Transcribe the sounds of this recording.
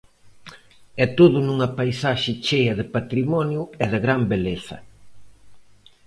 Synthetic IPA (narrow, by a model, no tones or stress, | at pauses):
ɛt̪oðʊnuŋɐpajsaʃɪt͡ʃejɐðɪpat̪ɾimɔnjuɛðɪɣɾambeleθɐ̰